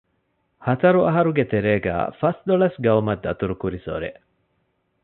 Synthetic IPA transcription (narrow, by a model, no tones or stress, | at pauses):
hɐt̪ɐɾuʔɐɦɐɾuɡet̪eɾeːɡæ̰ːfɐsd̪oɭɐsɡɐumɐd̪ːɐt̪uɾukuɾiso̰ɾḛ